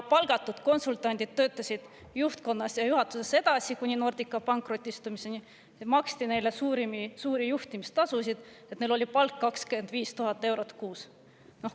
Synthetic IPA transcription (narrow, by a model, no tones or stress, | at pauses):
pɑlɡ̥ɑt̪ːˑud̪̥ko̞nsult̪ˑɑnʲd̪̥ʲid̪̥̚t̪ːø̞ːt̪ːˑɑsʲid̪̥ | juht̪ko̞nːɑsjɑjuhɑt̪ːˑu̥se̞sːe̞d̪̥ɑsikunʲino̞rd̪̥ikːˑɑpɑŋkˑro̞t̪ʲːˑist̪umiseni | mɑkst̪ine̞jle̞suːɾimisuːɾijuht̪ʲimist̪ɑsusid̪̥et̪nejlo̞lʲipɑlkːɑkskyend̪viːst̪uɦɑt̪ːˑe̞wɾo̞t̪kuːs | no̞h